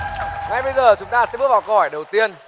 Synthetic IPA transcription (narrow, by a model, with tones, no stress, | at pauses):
ŋa˨˩jɓə˧jzəː˨˩t͡ɕʊ˨˦ŋ͡mt̪aː˧sɛ̰˧˥ɓɨ˦˥t̚vaː˨˩wkə˧˨hɔ˨˩jɗə˨˩wt̪i˧ən